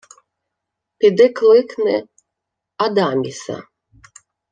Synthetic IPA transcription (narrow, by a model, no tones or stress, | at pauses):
pʲid̪ɛklˠɨknɛ | ad̪amʲisa̰